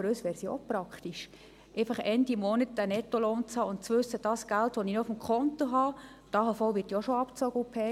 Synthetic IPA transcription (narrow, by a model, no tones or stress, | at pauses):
əɾøːsʋɛːɾsio̰pɾɑkχt̪iʃ | ʔɛɪfɑχɛndimɔnət̚dænɛtːoloːnt͡shɑːʊntt͡sʋʉsːəd̥ɑːsɡ̥æltʋoninoʊfm̩kʰχɔnt̪oɦɑː | d̥ɑːɦɑfɔlʋɪɾtjoʃoɑpt͡sɔɡəʊpʰeː